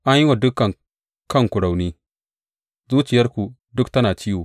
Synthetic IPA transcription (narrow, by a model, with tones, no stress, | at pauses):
ʔa˦ɲji˦wa˨du˦kːa˨n | kɐ˦ŋku˨ɾa˨wni˦ | zuː˦t͡ʃi˨jɐ˦ɾku˨ | dʊ˦kta˦na˨t͡ʃi˦wu˨